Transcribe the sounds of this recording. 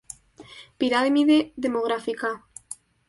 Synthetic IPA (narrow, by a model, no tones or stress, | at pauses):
piɾaðemiðeðemoɣɾafika